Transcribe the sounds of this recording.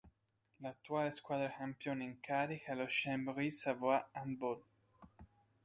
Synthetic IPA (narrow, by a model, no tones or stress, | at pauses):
lat̪ːuaːleskwaːd̪ɾaxampjoːniŋkaːɾixaloʃːɛmbɾisavoaambol